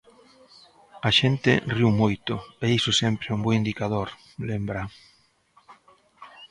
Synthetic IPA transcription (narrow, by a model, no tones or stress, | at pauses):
aʃent̪ɪ̰riwmojt̪ʊeisʊsɛmpɾɪumboind̪ikað̞oɾ | lembɾa